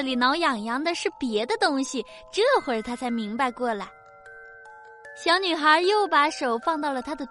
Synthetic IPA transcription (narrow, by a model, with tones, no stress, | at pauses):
li˨˩nɑ˧˥ʊjɑ˨˩ŋjɑ˧˥ŋd̪ə˧ʂɻ̩˥˩pjɛ˧˥d̪ə˧t̪ʊ˥ŋɕi˨ | ʈ͡ʂɤ˥˩˧xwe˥˩t̪ʰa˥t͡sʰa˧˥ɪmi˧˥ŋpa˧ɪkwɔ˥˩la˧˩˦ɪ | ɕjɑ˧˥ʊny˨˩xə˞˧˥jo˥˩ʊpa˧˥ʂo˨˩ʊfɑ˥˧ŋt̪̬ɑ˥˩ʊlə˩t̪ʰa˥d̪ə˨˩